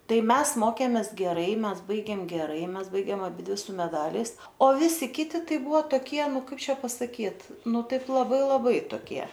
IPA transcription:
ˈtɐɪ ˈmʲɛs ˈmoːkʲeːmʲeːs ɡʲɛˈrɐɪ ˈmʲɛs ˈbɐɪɡʲeːm ɡʲɛˈrɐɪ ˈmʲɛs ˈbɐɪɡʲeːm ɐˈbʲɪdʲʋʲɪ sʊ mʲɛˈdɑːlʲɛɪs oː ˈʋʲɪsʲɪ ˈkʲɪtʲɪ ˈtɐɪ ˈbʊʋoː toːˈkʲiɛ ˈnʊ ˈkɐɪp ˈt͡ʃʲɛ pɐsɐˈkʲiːt ˈnʊ ˈtɐɪp lˠɐˈbɐɪ lˠɐˈbɐɪ toːˈkʲiɛ

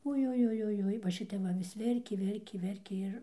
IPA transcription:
ʊjʊjʊjʊˈjʊɪ ʋɐ ˈʃʲɪtʲɛp ˈʋɐ ʋʲɪs ˈʋʲɛrʲkʲeː ˈʋʲɛrʲkʲeː ˈʋʲɛrʲkʲeː ˈɪr

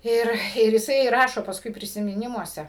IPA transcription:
ˈɪr ɪr jɪˈsɐɪ ˈrɑːʃoː pɐsˈkʊɪ pʲrʲɪsʲɪmʲɪˈnʲɪmuɔsʲɛ

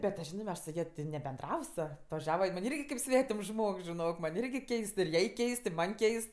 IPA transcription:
bʲɛt tʊ ˈʒʲɪnɜ mʲɛs sʊ ˈjɛ tʲɪ nʲɛbʲɛnˈdrɐws ɐtʋɐˈʒʲæːʋɐ jɪn mɐnʲ ˈɪrʲɡʲɪ kɐɪp ˈsʲʋʲæːtʲɪms ˈʒmoːks ʒʲɪˈnoːk mɐnʲ ˈɪrʲɡʲɪ ˈkʲɛɪst ɪr ˈjɛɪ ˈkʲɛɪst ɪ ˈmɐnʲ ˈkʲɛɪst

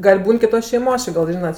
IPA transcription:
ɡɐlʲ ˈbuːn kʲɪˈtoːs ʃʲɛɪˈmoːs ˈt͡ʃʲɪ ɡɐlʲ ˈʒʲiːnɐt

